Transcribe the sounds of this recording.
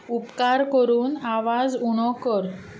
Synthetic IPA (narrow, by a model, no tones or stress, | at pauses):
upkaɾkəɾuːnaʋad͡zuɽ̃ɔkəɾ